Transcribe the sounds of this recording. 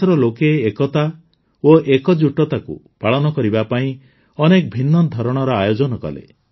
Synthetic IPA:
ɾɔlokeekɔt̪a | oʔekɔd͡ʒuʈɔt̪akṵ | paɭɔnɔkɔɾibapaĩ | ɔnekɔbʱinːɔd̪ʱɔɾɔɽ̃ɔɾɔajod͡ʒɔnɔkɔ̰lḛ

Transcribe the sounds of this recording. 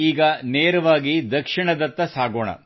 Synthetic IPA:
iːɡɐneːɾɐʋaːɡid̪ɐkʂiɳɐd̪ɐt̪ːɐsaːɡoːɳɐ̰

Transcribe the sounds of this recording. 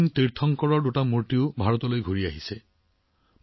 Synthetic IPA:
nt̪iɾt̪ʰɔŋkɔɹɔɖuʈamuɹʈiwbʱaɹɔt̪ɔlojɡʱuɹiaɦise

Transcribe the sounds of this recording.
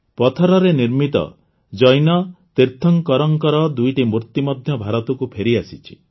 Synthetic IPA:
pɔt̪ʰɔɾɔɾeniɾmit̪ɔ̰ | d͡ʒɔjnɔt̪iɾt̪ʰɔŋkɔɾɔŋkɔɾɔd̪ujʈimuɾt̪imɔd̪ʱjɔbʱaɾɔt̪ukupʰeɾiasit͡ʃʰi̥

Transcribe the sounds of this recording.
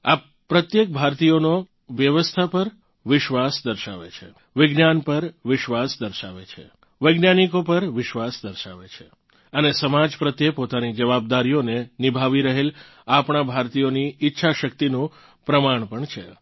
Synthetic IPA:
a | pːɾət̪jek̚bʱaɾt̪ijono | ʋjəʋəst̪ʰapəɾ | ʋɪʃʋasd̪əɾʃa̰ʋḛt͡ʃʰḛ | ʋɪɡnjanpəɾʋɪʃʋasd̪əɾʃa̰ʋḛt͡ʃʰḛ | ʋəjɡnjanikopəɾʋɪʃʋasd̪əɾʃa̰ʋet͡ʃʰe | ənesəmad͡ʒpɾət̪jepot̪anid͡ʒəʋab̚d̪aɾijonenɪbʱaʋiɾəɦel | apɳ̃abʱaɾt̪ijoniɪtːʃʰaʃək̚t̪inũ | pɾəmaɳ̃pəɳt͡ʃʰḛ

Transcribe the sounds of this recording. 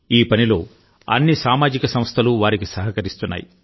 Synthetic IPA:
iːpɐnilo̞ː | ɐ̰nːisaːmaːd͡ʒikɐsɐm̃st̪ʰɐluʋaːɾikisɐɦɐkɐɾist̪unːa̰ːjḭ

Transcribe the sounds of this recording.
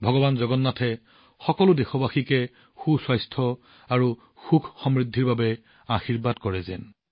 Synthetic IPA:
bʱɔɡɔbanzɔɡɔnːatʰɛ | xɔkɔlʊdexɔbaxikɛ | xuswajstʰɔ | aɹu | xukʰxɔmɹidʱːiɹbabɛ | axiɹbadkɔɹɛzɛ̰n

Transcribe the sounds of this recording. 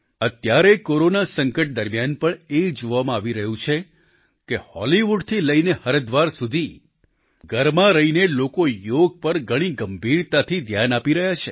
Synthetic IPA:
ət̪jaɾekoɾonasəŋkəʈ̚d̪əɾmjanpəɳed͡ʒoʋamãaʋiɾəɦũt͡ʃʰe | kehɔ̰liʋuɖt̪ʰiləinehəɾəd̪ʋaɾsud̪ʱi | ɡʱəɾmãɾəɦinelokojoɡ̚pəɾɡʱəɽ̃iɡəmbʱiɾt̪at̪ʰid̪ʱjanapiɾəɦjat͡ʃʰe

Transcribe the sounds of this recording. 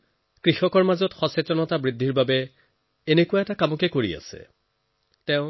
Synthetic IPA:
kɹixɔkɔɹmazɔtxɔsetɔnɔtabɹidʱiɹbabɛ | enekuwaɛtakamɔkɛkoɹḭa̰sɛ̰ | tɛʊ̃

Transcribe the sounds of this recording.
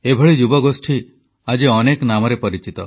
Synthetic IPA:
ebʱɔɭid͡ʒubɔɡosʈʰi | ad͡ʒeɔneknamɔɾepɔɾit͡ʃit̪ɔ

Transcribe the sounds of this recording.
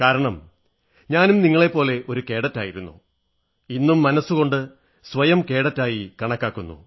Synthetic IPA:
kaːɾɐɳɐm | ɲaːnumniŋːɐɭe̞pːo̞ːle̞ʔo̞ɾuke̞ːɽɐtːaːjiɾunːṵ | inːumːɐnɐsːuɣo̞ɳɖɨ | sʋɐjɐmke̞ːɽɐtːaːjikɐɳɐkːaːkːunːṵ

